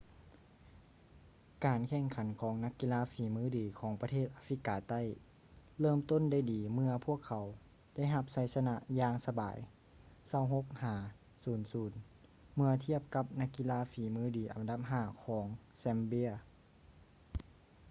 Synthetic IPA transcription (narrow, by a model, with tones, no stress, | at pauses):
kaː˨nkʰɛ˧˩ŋkʰa˨˦nkʰɔː˩˦ŋna˧˥kːi˧laː˧˥fiː˨˩˦mɯː˧˥˨diː˨˩kʰɔː˨˦ŋpa˧t̪ʰeː˥˩t̪̚ʔaː˧fli˧˥kːaː˨˩t̪a˥˨j | lɤː˧˥˨mt̪o˥˨nda˧˥˩jdiː˨mɯ˧ɐpʰu˥˩əkʰːa˨˦w | da˥˨jɦa˧p̚sa˧˥jsa˧na˧jaː˧ŋsa˧ba̰ː˨j | sa˧˩wɦo˧˥k̚haː˨˩˦ | suː˨˩nsuː˨˩˦n | mɯ˧ɐt̪ʰi˥˩əp̚ka˧˦p̚na˧˥kːi˧laː˧˥fiː˨˩mɯː˧˥˩diː˨˩˦ʔa̰˨˩nda˧p̚ɦaː˧˩kʰɔː˩˨˦ŋsɛ˧mbi˧˥˩ɐə